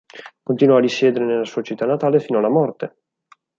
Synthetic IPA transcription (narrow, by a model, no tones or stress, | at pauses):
kont̪inwɔad̪isjɛːd̪eɾenelːasuːat͡ʃit̪ːanːat̪aːlefiːnoalːamɔrt̪e